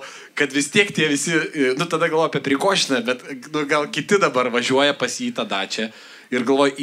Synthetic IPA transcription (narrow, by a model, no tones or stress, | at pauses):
kɐt̪ʋʲɪst̪ʲiɛkt̪ʲiɛʋʲɪsʲɪnʊt̪ɐd̪ɐɡɐlˠʋoːjɐpʲiɛpʲɾʲɪkoːʒʲɪnɐbʲɛt̪nʊɡɐlˠkʲɪt̪ʲɪd̪ɐbɐrʋɐʒʲuɔjɛpɐsjiːt̪ɐd̪ɐt͡ʃʲɛ | ɪɾɡɐlˠʋoːj